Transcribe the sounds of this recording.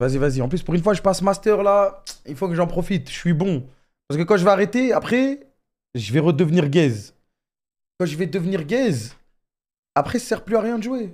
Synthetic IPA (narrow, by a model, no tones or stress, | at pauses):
vazivaziɑ̃plyspuʁynfwaʒəpasəmast̪œʁlailfokəʒɑ̃pχɔfit̪ʃsɥibɔ̃ | paʁsəkəkɑ̃ʒəvɛaʁet̪eapχɛ | ʒəvɛʁəd̪əvniʁɡɛz | kɑ̃ʒəvɛd̪əvniʁɡɛz | apχɛssɛʁplyaʁjɛ̃d̪əʒue